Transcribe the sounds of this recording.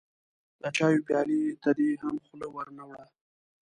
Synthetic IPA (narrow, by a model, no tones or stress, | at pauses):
d̪ət͡ʃɑjopjɑlit̪ad̪eɦamxʊlowəɾnawɽa